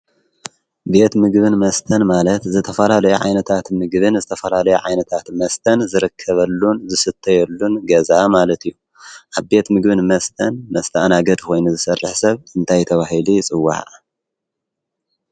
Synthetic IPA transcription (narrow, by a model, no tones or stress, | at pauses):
be̞t̪mɨɡβɨnmɐst̪ʰɐnmalɐt̪zɨt̪ʰɐfɐlalɐjuʕa̰jnɐt̪ʰat̪mɨɡbɨnzɨt̪ʰɐfɐlalɐjuʕa̰jnɐt̪ʰat̪mɐst̪ʰɐnzɨɾɨkʰːɐβɐlːunzɨsɨt̪ʰːɐjɛlːunɡɐzamalɐt̪ijːu | ʔaβbe̞t̪mɨɡbɨnmɐst̪ʰɐnmɐst̪ʰaʔnaɡɐd̪ko̞jnuzɨsɐrːɨħsɐβɨnt̪ʰajt̪ʰɐβaɦilijt͡sʼɨwːa̰ħ